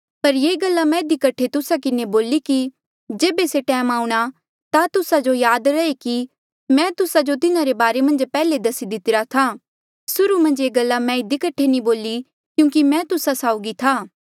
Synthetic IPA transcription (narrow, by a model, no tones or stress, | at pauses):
pɐɾjeːɡɐlːamɛ̃ɪd̪ikɐʈʰːet̪ʊsakɪneboːliki | d͡ʒeːbeseʈɛːmaːũɽ̃a | t̪at̪ʊsad͡ʒojaːd̪ɾɐeki | mɛ̃ːt̪ʊsad͡ʒot̪ɪnãɾebaːɾemɐ̃nd͡ʒpɛːled̪ɐsid̪ɪt̪ɪɾat̪ʰaː | sʊɾumɐ̃nd͡ʒjeːɡɐlːamɛ̃ɪd̪ikɐʈʰːenĩboːli | kjũːkimɛ̃ːt̪ʊsasaːʊɡit̪ʰaː